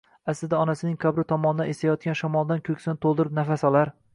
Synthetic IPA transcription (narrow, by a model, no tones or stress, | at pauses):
aslɪd̪aɒnasɪnɪŋkʰabɾɪt̪ʰɒmɒnɪd̪anest̪ajɒt̪̚kʲanʃɒmɒlˠd̪ankʲʰɵkʲsɪnɪt̪ʰolˠd̪ɪɾɪpnafasɒlˠaɾ